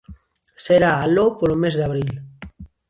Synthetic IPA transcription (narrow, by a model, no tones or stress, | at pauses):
seɾaːlopolomezðaβɾil